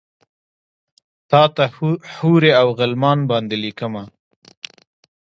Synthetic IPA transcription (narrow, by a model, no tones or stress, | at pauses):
t̪ɑt̪ahuɾeawɣɪlmɑnbɑnd̪elikəma